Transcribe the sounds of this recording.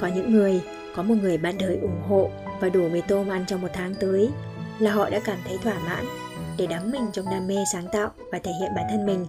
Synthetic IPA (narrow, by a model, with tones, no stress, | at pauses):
kɔ˨˦ɲɨ̰˧˥ŋːɨ˨˩əj | kɔ˨˦mo˨˩t̚ŋɨ˨˩əjɓa̰ː˧˨nɗəː˨˩jʔʊ˧˩ŋ͡mɦo̰˧˨vaː˨˩ɗu˧˩və˨˦jt̪o˧mʔa˧nt͡ɕɔ˧wŋ͡mmo˨˩t̚t̪ʰaː˨˦ŋt̪əː˨˦j | laː˨˩ɦɔ̰˧˨ɗa̰ː˧˥kaː˧˩mt̪ʰə˨˦jt̪ʰwaː˧˩ma̰ː˧˥n | ɗe˧˩ɗa˨˦mːï˨˩ŋ̟t͡ɕɔ˧wŋ͡mɗaː˧mːe˧saː˨˦ŋt̪a̰ː˧˨wvaː˨˩t̪ʰe˧˩hḭ˧˨ənɓaː˧˩nt̪ʰə˧nmï˨˩ŋ̟